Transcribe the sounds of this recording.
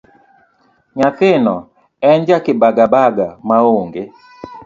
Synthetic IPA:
ɲat̪ɪnɔ | ɛnd͡ʒakɪbaɡabaɡamaoŋɡe

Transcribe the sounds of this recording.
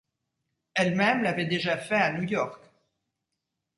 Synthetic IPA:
ɛlmɛmlavɛd̪eʒafɛanujɔʁk

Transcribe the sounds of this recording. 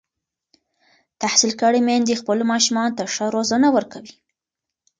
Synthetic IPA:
t̪ahsilkəɽemand̪expəlmɑʃumɑnot̪aʂəɾozanawəɾkawi

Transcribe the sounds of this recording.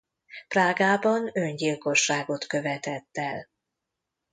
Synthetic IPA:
praːɡaːbɒnø̞ɲɟilko̞ʃːaːɡo̞t̪kø̞vɛt̪ɛt̪ːɛl

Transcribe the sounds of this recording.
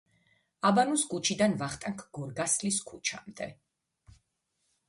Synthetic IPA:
abanusɡut͡ʃʰid̪anvaχt̪ʼaŋkʰɡ̥ɔɾɡasliskʰut͡ʃʰa̰md̪ɛ

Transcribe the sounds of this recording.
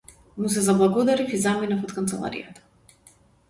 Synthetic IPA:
mus̬ɛzablˠaɡɔd̪aɾifizaminafɔt̪kant̪sɛlˠa̰ɾḭja̰t̪ḁ

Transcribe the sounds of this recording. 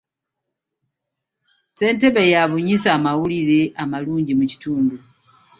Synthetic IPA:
se̞ːnte̞βe̞jaβuɲisaːmawuliɾe̞amaluːɲɟimuci̥tuːndu

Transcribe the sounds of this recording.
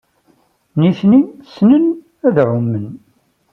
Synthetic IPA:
niçnisnən | æðʕʊmːən

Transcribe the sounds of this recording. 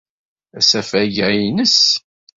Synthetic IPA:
æsæfæʝæjinəs

